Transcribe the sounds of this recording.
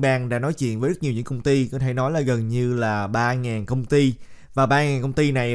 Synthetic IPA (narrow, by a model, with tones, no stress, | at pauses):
ɓaː˧ŋɗa̰ː˧˥nɔ˨˦jt͡ɕwḭ˧˨ənvəː˨˦zt̚ɲi˨˩ɲɨ̰˧˥ŋkə˧wŋ͡mt̪i˧kɔ˨˦t̪ʰe˧˩nɔ˨˦jlaː˨˩ɣə˨˩nɲɨ˧laː˨˩ɓaː˧ŋaː˨˩nkə˧wŋ͡mt̪i˧ | vaː˨˩ɓaː˧ŋaː˨˩nkə˧wŋ͡mt̪i˧na˨˩j